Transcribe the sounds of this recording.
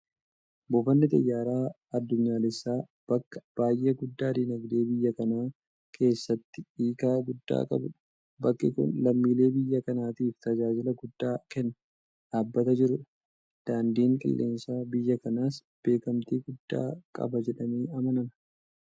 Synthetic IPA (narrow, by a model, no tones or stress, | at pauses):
bɔfɐnːɪt̪ɐjːaːɾaː | ɐd̪ːʊɲːaːlɪsːaː | b̥ɐkːɐ̥b̥aːjʔeːɡʊd̪ːaːd̪iːnɐɡd̪e̞ːbɪjːɐkɐnaː | kʰe̞ːsːɐt̪ːɪ̥iːkaːɡʊd̪ːa̰ːkʼɐ̰bʊ | bɐkːɪkʊ̰nlɐmːiːle̞ːbɪjːɐkɐnaːt̪iːft̪ɐd͡ʒaːd͡ʒɪlɐɡʊd̪ːaːkɛnːɐ̥ | ᶑaːbːɐt̪ɐd͡ʒɪɾʊ | d̪̥aːnd̪iːŋkʼɪ̰lːʔe̞̰ːnsaːbɪjːɐkɐnaːs | b̥e̞ːkɐmt̪iːɡʊd̪ːa̰ːkʼɐ̰bɐd͡ʒɛᶑɐmeːɐmɐnɐnɐ